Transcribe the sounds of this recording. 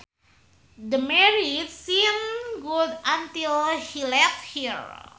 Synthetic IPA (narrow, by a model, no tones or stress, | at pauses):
d̪əmɛɹitsimɡudãnt̪ilhilɛft̚hiɹ